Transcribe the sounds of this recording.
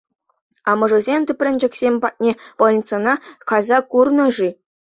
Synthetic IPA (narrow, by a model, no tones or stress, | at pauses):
ɑmɤ̆ʐɤ̆zʲemʲt̪ʲɘ̆pʲrʲɘ̆nʲd͡ʑɘ̆kʲsʲemʲpɑt̪̚ʲnʲepolʲnʲt͡sɤ̆nɑkɑzɑkurnɤ̆ʐi